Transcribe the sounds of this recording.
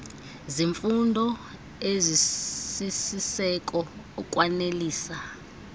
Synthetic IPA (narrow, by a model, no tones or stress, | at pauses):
ziɱfundʱɔ | ezisisisɛk̬ʼɔː | k̬ʼwaneliːsa